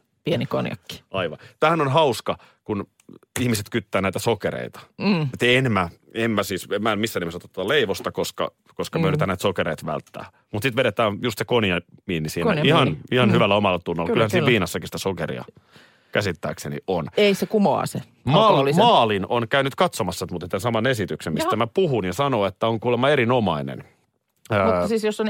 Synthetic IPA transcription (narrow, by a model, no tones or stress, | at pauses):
pienikonjɑ̰kːi̥ɑiʋɑ̰t̪æhænonɦɑuskɑ | kun | ihmiset̪kyt̪ːæːnæit̪æsokeɾḛit̪ɑ̥et̪enmæ | emmæsiːsemæːmisːænemesɑt̪ot̪ːot̪ːɑleiʋost̪ɑkoskɑ̰ | koskɑmyørit̪ænæit̪sokeɾeit̪ʋæ̰lt̪ːæ̰ː | mut̪sit̪ʋeɾet̪æːnjust̪sekonjɑmiːnːisiːnæihɑnnihɑnhyʋælːæomɑlːɑt̪unːolːɑylhænsiːʋiːnɑsːɑkisi̥t̪æ̥sokḛrḭɑ̰ | kæsit̪ːæ̰ːksenḭoneisekumo̰ːse | mɑːlimɑːlinonkæynyt̪kɑt̪somɑsːɑet̪mut̪et̪t̪ːensɑmɑnesit̪yksemist̪æmæpuɦunjɑsɑnoet̪ːæoŋkuːlemːɑeɾinomɑinḛn | əːsiːsjosːon